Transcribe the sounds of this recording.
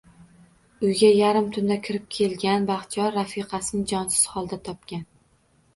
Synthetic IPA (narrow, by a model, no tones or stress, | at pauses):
ʊjɡʲajaɾɪmt̪ʰʊnd̪akʲʰɪɾɪp̚kʲʰe̞lɡʲanbaχt̪ʰijɒɾːafiqʰɑsɪnɪŋd͡ʒɒnsɪ̥z̥hɒlˠd̪at̪ʰɒp̚kʲan